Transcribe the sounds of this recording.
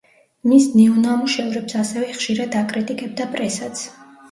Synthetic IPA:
misnɛɔnamuʃɛvɾɛpsasɛvɛχʃiɾad̪akʼɾit̪ʼikʼɛb̚d̪apʼɾɛsat̪sʰ

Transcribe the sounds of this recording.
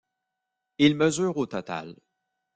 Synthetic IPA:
ilməzyːʁot̪ɔt̪a̰l

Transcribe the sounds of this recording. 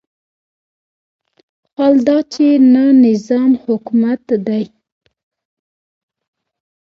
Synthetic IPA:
xwald̪ɑt͡ʃenanɪzɑmhʊkmat̪d̪aj

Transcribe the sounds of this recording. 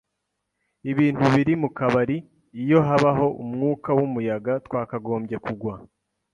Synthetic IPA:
iβiːn̥huβiɾimukaβaɾiː | jo̞ɦaβaɦo̞ʔumŋuːkawumujaɡatkwaːkaɡo̞ːmbje̞kuɡwa

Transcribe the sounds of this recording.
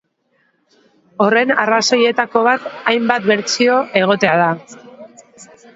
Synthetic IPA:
o̞re̞narasoje̞t̪ako̞β̞at̪ajmbat̪̚be̞ɾt͡sio̞ʔe̞ɣ̞o̞t̪e̞að̞a

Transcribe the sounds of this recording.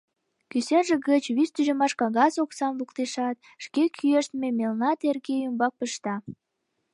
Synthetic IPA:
kysenʒĕɣət͡ɕβyst̪yʒemɑʃkɑɣɑsoksɑmvukt̪eʃɑt̪̚ | ʃkekʰyeʃt̪memelnɑt̪erɣeymbɑk̚pəʃt̪ɑ

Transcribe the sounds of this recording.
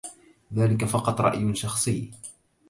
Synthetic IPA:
ðaːlɪkafɑqɑt̪ˤɾˤɑ̰ʔjʊʃɑxsˤɨjː

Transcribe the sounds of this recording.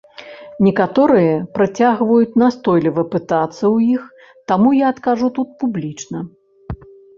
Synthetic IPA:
nʲɛkat̪ɔɾɨjɐpɾat͡sʲaɣvɐjut͡sʲnast̪ɔjlʲivɐpɨt̪at̪sːɐwjix | t̪amujaːt̪kaʐut̪ut̪̚publʲit͡ʂnɐ

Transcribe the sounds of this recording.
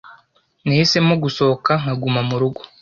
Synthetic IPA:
niise̞moɡusokaŋ̥haɡumamuɾuɡo̥

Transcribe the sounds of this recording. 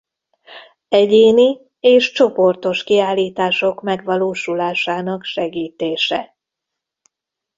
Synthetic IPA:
ɛɟeːni | eːʃt͡ʃo̞po̞rt̪o̞ʃkiaːlːiːt̪aːʃo̞kmɛɡʋɒloːʃulaːʃaːnɒkʃɛɡiːt̪eːʃɛ̰

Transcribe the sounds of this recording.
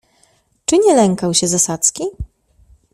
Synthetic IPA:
t͡ʂɘɲɛlɛŋkawɕɛzasat̪skʲi

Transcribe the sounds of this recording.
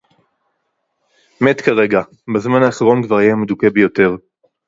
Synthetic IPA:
me̞t̪kaʁe̞ɡa | bezmanaːχʁo̞nkvaʁjemed̪ukebejo̞te̞ʁ

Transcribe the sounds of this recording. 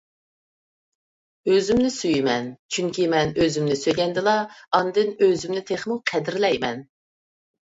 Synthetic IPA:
øzymnɪsyjimɛnt͡ʃʰyŋkʲimɛnøzymnɪsøjɡʲɛnd̪ɪlˠɑɑnd̪ɪnøzymnɪt̪ʰeχmuqʰɛd̪ɪɾlɛjmɛn

